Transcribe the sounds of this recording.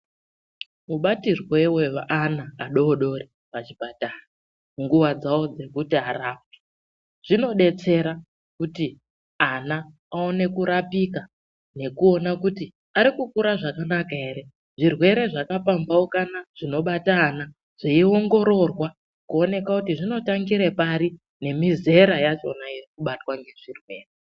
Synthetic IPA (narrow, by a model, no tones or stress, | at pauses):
muɓatirwe̞we̞ʋaʔanaːɗo̞ːɗo̞ri | pat͡ʃipataːna | ŋɡuʋad͡zawo̞d͡ze̞kutiaraːp̚e̥ | ʐ̥ino̞ɗe̞t͡se̞ɾa | kuti | anaː | o̞ne̞kuɾapika | ne̞kuo̞nakuti | aɾikukuɾaʐakanakae̞ɾe̞ | ʐirwe̞ɾe̞ʐakapambaokanaʐ̥ino̞ɓataːna | ʐ̥eio̞ŋɡo̞ɾo̞rwa | kuo̞ne̞kakutiʐino̞taŋɡiɾe̞paɾi | ne̞mize̞ɾajat͡ʃo̞najerikuɓatwaŋɡe̞ʐirwe̞̰ːre